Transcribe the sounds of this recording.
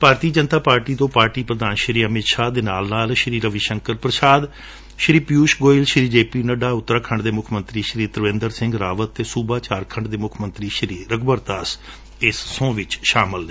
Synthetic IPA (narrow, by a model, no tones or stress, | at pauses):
bʱaːɾt̪iːd͡ʒənt̪aːpaːɾʈiːt̪õːpaːɾʈiːpɾəd̪aːnʃəɾiːəmɪt̪ʃaːd̪eːnaːlnaːlʃɾiːɾəʋiːʃəŋkəɾpɾəsaːd̪ | ʃɾiːpjuːʃɡoːɪlʃɾiːd͡ʒeːpiːnəɖaːʊt̪ːɾaːkʰəɳɖd̪eːmʊkʰmə̃nt̪ɾiːʃəɾiːɾt̪əɾəʋẽnd̪əɾsɪ̃ŋɡɾaːʋət̪ːeːsuːbaːt͡ʃaːɾkʰəɳɖd̪eːmʊkʰmənt̪ɾiːʃəɾiːɾəɡbəɾt̪aːs | ɪsːõːʋɪt͡ʃʃaːmɪleː